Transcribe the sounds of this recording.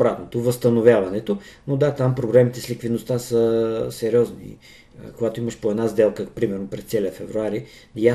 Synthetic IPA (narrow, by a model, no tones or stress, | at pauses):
bɾat̪not̪ovəst̪ɐnovʲjavɐnɛt̪o | nod̪at̪ampɾoblɛmit̪ɛslʲikvid̪nost̪asəsɛɾʲɔznḭ | koɡat̪oiməʃpoɛd̪nazd̪ɛlˠkəpɾimɛɾnopɾɛst̪sɛlʲəfɛvɾuaɾi | ja